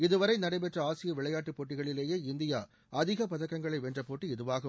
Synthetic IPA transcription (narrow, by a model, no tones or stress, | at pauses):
ɪðɯʋɐɾɐɪnɐɽɐɪpɛʈrɐaːsɪjɐʋɪɭɐjaːʈːɯpːoːʈːɪɣɐɭɪleːjeːɪnd̪ɪjaː | ʔɐðɪɣɐpɐðɐkːɐŋɡɐɭɐɪʋɛːndrɐpoːʈːiɛðɯʋaːɣɐ